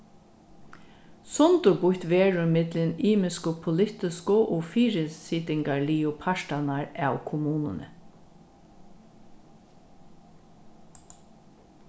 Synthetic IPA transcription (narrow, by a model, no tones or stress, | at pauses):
sɔnt̪ʊɹbʊht̪ʋeːɹʊmɪt̪lɪniːmɪskʊpʰʊlɪht̪ɪskʊʔɔːfiːɾɪsiːt̪ɪŋkaɹliːʊpʰaʃtanaɹaːwkʰʊmuːnʊ̰nə̰